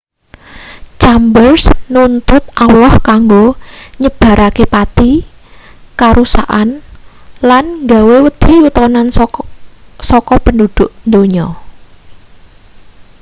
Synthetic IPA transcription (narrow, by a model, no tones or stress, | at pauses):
t͡ʃambərsnunt̪ʊt̪̚ʔawlɔhkaŋɡoɲəb̥a̤ɾʔakepat̪i | kaɾusaʔanlanŋɡawewəd̪̥i̤ut̪ɔnan | sɔkɔpəndud̪̥ʊʔnd̪oɲɔ